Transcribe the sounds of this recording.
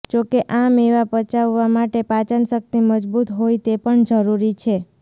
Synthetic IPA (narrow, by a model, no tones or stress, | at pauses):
d͡ʒokeʔameʋapət͡ʃaʋːamaʈepat͡ʃəɳsək̚t̪iməd͡ʒbut̪ɦojt̪epəɳd͡ʒəɾuɾit͡ʃʰe